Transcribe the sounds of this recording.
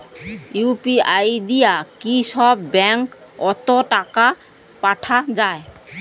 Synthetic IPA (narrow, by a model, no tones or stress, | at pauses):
jupiajd̪ijakisɔbːɛŋkɔt̪ɔʈaka | paʈʰazaj